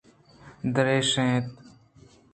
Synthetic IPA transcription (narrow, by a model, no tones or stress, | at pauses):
d̪əɾeːʃẽːt̪̚